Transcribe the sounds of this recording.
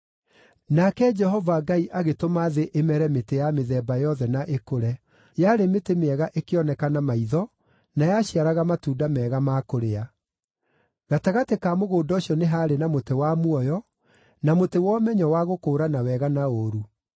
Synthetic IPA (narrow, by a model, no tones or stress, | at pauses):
nakɛd͡ʒɛɦɔvaɡaiʔaɣetomaðeʔemɛɾɛmetejameðɛbajɔðɛnaʔekoɾɛ | jaɾemetemeɛɣaʔekeɔnɛkanamaiðɔ | najaɕiaɾaɣamatuːdamɛɣamakoɾea | ɣataɣatekamoɣoːdɔoɕjɔneɦaːɾenamotewamuɔjɔ | namotewɔmɛɲɔwaɣokoːɾanawɛɣanaoɾu